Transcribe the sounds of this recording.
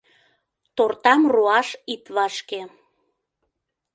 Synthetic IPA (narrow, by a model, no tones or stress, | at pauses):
t̪ort̪ɑmruɑʃit̪βɑʃke